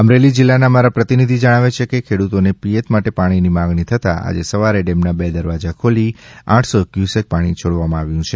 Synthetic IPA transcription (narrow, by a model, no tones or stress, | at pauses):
əmɾelid͡ʒilːanamaɾapɾət̪inid̪ʱid͡ʒəɽ̃aʋet͡ʃʰekekʰeɽut̪onepijet̪maʈepaɽ̃inimaɡnit̪ʰət̪a̰a̰d͡ʒesəʋaɾeɖemnabed̪əɾʋad͡ʒakʰoliã̰ʈʰsokjusek̚paɽ̃it͡ʃʰoɽʋamãaʋjũt͡ʃʰe